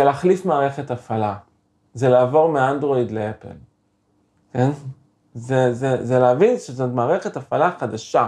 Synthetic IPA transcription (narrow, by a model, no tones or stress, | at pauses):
elaχlifmaːʁe̞χetafala | zelaːvo̞ʁmeandʁo̞id̪leepḛl | ken | zezezeleavinʃezotmaːʁe̞χe̞tafalaχadaʃa